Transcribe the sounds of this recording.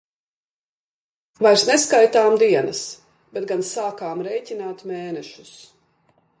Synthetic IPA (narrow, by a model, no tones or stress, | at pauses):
vajɾsneskajt̪aːmd̪iɛnɐs | b̥ɛt̪̚ɡansaːkaːmɾɛjcʲinaːt̪meːnɛʃu̥s